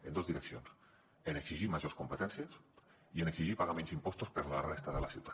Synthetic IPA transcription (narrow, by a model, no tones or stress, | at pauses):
ḛnd̪ozðiɾeksjons | eneksiʒimaʒoskompet̪ɛnsjes | ieneksiʒipaɣamẽnzimpost̪ospeɾlarest̪aðela̰siwt̪a